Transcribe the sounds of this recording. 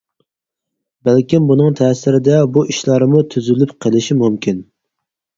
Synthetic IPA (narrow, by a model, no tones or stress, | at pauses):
bælkʲimbunɨŋt̪ʰɛːsɪɾɪd̪ɛbuʔiʃlˠɑɾɨmut̪ʰyzylypqʰəlɪʃimumkʲin